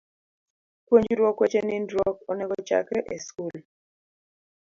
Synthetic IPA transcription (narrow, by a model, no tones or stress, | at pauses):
kwoɲd͡ʒɾwɔkwet͡ʃenɪndɾɔkɔnɛɡɔt͡ʃa̰kɾɛʔeskul